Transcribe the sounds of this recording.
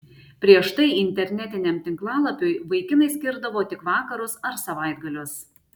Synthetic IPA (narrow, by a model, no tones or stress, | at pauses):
pʲɾʲiɛʃt̪ɐɪɪnʲt̪ʲɛɾʲnʲɛt̪ʲɪnʲɛmt̪ʲɪŋklˠɑːlˠɐpʲʊjʋɐɪkʲɪmɐɪsʲkʲɪɾd̪ɐʋoːt̪ʲɪkʋɑːkɐɾʊsɐɾsɐʋɐɪd̪̚ɡɐlʲʊs